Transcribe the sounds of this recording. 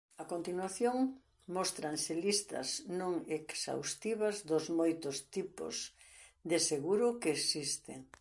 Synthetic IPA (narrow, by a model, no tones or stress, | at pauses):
ɐkont̪inwaθjoŋ | mɔst̪ɾanselist̪ɐ̰znõŋeksa̰wst̪iβɐzd̪ʊzmojt̪ʊst̪ipʊ̰z | d̪eseɣuɾʊkeːsist̪ḛŋ